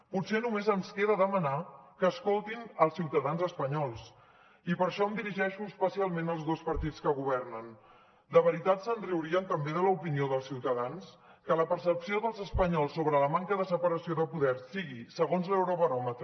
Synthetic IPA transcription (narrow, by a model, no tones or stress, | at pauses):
putsenumezənskeðəðəmənakəːskolˠt̪inəlˠsiwt̪əðanzəspəɲɔlˠs | ipəɾʃɔəmd̪iɾiʒɛʃuəspəsialˠmenəlˠzðospəɾt̪itt͡sskəɣ̞uβɛrnən | d̪əβ̞əɾit̪at̪sənriwɾiənt̪əmbeðələupinioðəlˠsiwt̪əðans | kələpəɾsəpsioðəlˠzəspəɲɔlˠsːoβɾələmaŋkəðəsəpəɾəsioðəpuðɛɾsiɣisəɣonzlewɾoβəɾɔmət̪ɾə